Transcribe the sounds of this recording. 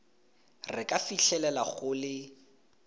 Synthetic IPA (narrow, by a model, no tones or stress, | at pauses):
rɪkʼafiɬʰɛlɛlaχʊlɪ